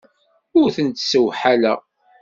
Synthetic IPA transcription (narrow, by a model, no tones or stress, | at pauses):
ʊɾθənt̪səwħalæ